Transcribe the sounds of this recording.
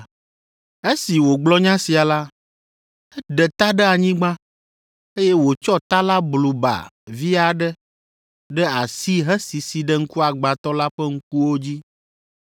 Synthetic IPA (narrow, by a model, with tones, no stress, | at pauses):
e˦si˨wo˨ɡ͡blɔ˦ɲã˦si˨a˨la˦ | ɛ˦ɖɛ˨t̪a˦ɖɛ˦a˨ɲĩ˦ɡ͡bã˦ | e˦jɛ˦wo˨t͡ʃɔ˦t̪a˦la˦blu˨ba̰˨vi˦a˨ɖɛ˦ | ɖɛ˦a˨si˦ɦɛ˦si˨si˨ɖɛ˦ŋ̩˦ku˦a˨ɡ͡ba˨t̪ɔ˦la˦ɸɛ˦ŋ̩˦k̚u˦wo˦d͡ʑi˦